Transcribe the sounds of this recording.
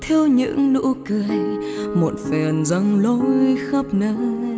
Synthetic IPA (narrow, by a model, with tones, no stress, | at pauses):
t̪ʰɛ˧wɲɨ̰˧˥ŋlṵ˧˥kɨ˧əjmo˨˩t̚fɛ˨˩nzə˧ŋlo˧˦jxə˦˥p̚nɨ˧˦